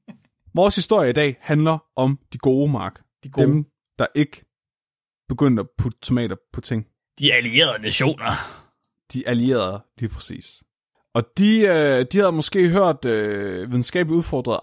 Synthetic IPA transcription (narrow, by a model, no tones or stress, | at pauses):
ʋɒːshisd̥o̝ɐ̰jəɐid̥ɛ̰ːhænlɐʔɒ̽md̥iɡ̥o̝ːmɑ̈ːɡ̥ | d̥em | d̥ɑ̈ʔe̝ɡ̥ə | b̥e̝ɡ̥øn̰d̥ɒpʰud̥t͡sʰo̝mɛ̰ːdɐpʰɒ̽t͡sʰe̝ŋ̰ | d̥iælie̝̰ːɐðˠnæɕo̝̰ːnɐ | d̥iʔælie̝̰ːɐðˠliːpʰʁɛ̥sḭːs | ʔɒ̽d̥iød̥ihæðˠmɒ̽sɡ̥e̝̰ːɦøɐ̰d̥øʋiðˠn̩sɡ̥ɛ̰ːb̥liuð̞ˠfɒ̰ːd̥ʁɐðˠ